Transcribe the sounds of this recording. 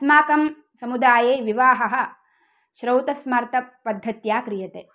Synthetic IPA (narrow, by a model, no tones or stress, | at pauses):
smaːkɐm | sɐmud̪aːjeːʋiʋaːɦɐɦɐ̆ | ʃɾɐwt̪ɐsmaːɾt̪ɐpɐd̪ʱːɐt̪jaːkɾijɐt̪eː